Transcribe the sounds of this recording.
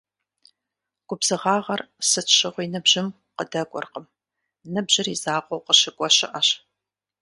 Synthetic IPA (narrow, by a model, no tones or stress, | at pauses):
ɡ̥ʷʼʊbzɨʁɑːʁɐrsɨɕɪʁʷinɨbʑɪm | qədɐɡʷʼɔ̰rqəm | nɨbʑɪrizaːqʷʼɔwqəɕɪɡʷʼɔɕɪʔɐɕ